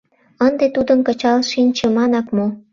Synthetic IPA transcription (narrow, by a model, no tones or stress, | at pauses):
ənd̪et̪ud̪ənkət͡ɕɑlʃinʲt͡ɕĕmɑnɑkmo